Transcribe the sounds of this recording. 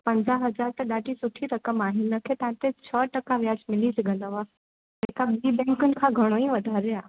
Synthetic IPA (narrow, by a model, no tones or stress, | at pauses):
pɐ̃ɲd͡ʑaɦɐd͡ʑaːɾt̪ɐɗaːɖʱisʊʈʰiɾɐkəmaːɦɪn̆ːɐkʰeːt̪ɐɦãt̪et͡ɕʰəʈɐkaʋjaːd͡ʑmɪlisɐɠɐ̃nd̪aʋaː | ɦekabiːbɛ̃ːŋkʊnɪ̆kʰãːɡʱɐɽ̃oĩʋɐd̪ʱaːɾeaː